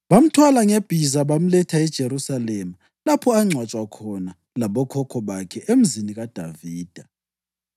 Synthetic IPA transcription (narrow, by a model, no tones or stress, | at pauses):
βam̩tʰwalaŋeb̥ʱizaβam̩lɛtʰaɛd̥ʒ̥ʱeɾusalemu | lapʰɔaŋ͡ǀʱwat͡ʃʼwakʰɔna | laβɔkʰɔkʰɔβakʰɛʔem̩ziniɣad̥ʱa̰viːd̥ʱa